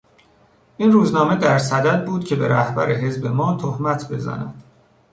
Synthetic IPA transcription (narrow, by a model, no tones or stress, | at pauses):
ʔiːnruːznɒːme̞d̪æɾsæd̪æd̪̚buːd̪̥̚cʰe̞be̞ɾæhbæ̰ɾeɦe̞zbe̞mɒːt̪ʰohmæt̪ʰbe̞zæ̰næ̰d̪̥